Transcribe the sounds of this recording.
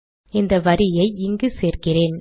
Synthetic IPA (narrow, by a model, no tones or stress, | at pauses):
ɪnd̪ɐʋɐɾɪjɐɪɪŋɡɯseːrkɪreːn